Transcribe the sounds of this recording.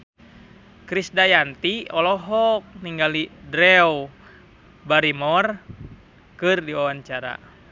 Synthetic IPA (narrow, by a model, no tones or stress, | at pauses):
kɾisdajant̪iɔlɔɦɔk̚niŋɡalidɾɛɔ | baɾimɔr | kɨrdiwawaɲt͡ʃaɾa̰